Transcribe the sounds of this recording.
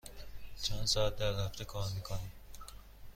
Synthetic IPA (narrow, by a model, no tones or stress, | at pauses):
t͡ʃʰænsɒːæt̪̚d̪æɾhæft̪ʰekʰɒːɾmiːkʰoni